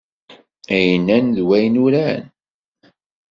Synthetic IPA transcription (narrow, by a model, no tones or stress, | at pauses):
æjənænðwæjnuɾæn